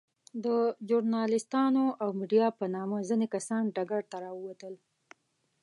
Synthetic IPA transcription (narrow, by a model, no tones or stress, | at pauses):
d̪əd͡ʒʊɾnɑlɪst̪ɑnoʔawmiɖijɑpənɑmazinekasɑnɖaɡaɽt̪aɾɑəwat̪əl